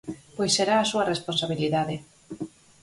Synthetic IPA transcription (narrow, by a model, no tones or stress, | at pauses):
pojsːeɾaːsuɐresponsaβ̞iliðaðɪ